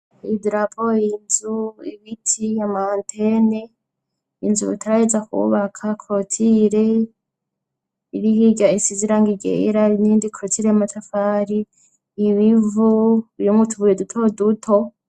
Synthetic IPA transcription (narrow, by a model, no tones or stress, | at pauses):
idɾapʰoinzuḭβitʰiamaaːntʰene | inzuβḭtʰaɾahed͡zakṵβakʰakʰotʰiɾe | iɾihiɟaisiziɾaŋɡiɟḛɾainiːndikʰotʰiɾeamatʰafaɾiː | βivuujomutʰuβujedutʰodutʰo